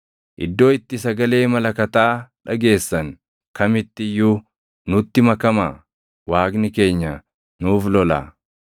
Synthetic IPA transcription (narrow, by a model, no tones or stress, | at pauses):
ʔɪ̰d̪ːo̞ːɪt̪ːɪsɐɡɐle̞ːmɐlɐkɐt̪aːᶑɐɡe̞ːsːɐŋ | kɐmɪt̪ːɪjːuː | nʊt̪ːɪmɐkɐmaː | waːɡnɪke̞ːɲːɐ | nuːflɔla̰ː